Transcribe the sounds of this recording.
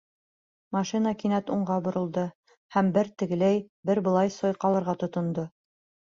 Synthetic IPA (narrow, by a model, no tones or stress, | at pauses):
mɑʃinəkinæt̪uɴɢʁɑbŏɾɤ̆lˠd̪ɤ | hæmbɘɾt̪ɘ̆ɡɘ̆læjbɘɾbɤ̆lˠɑjsojqɑlˠɤ̆ɾʁɑt̪ŏt̪ŏnd̪o